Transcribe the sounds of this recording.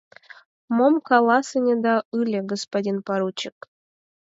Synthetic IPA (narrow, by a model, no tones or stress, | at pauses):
momkɑlˠɑsɨnʲed̪ɑɨlʲeɡəspadʲinpaɾut͡ɕɪk